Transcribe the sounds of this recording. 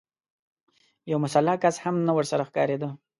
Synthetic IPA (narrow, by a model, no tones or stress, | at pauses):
jawmʊsalːɑkashamnawəɾsaɾaxkɑɾed̪ə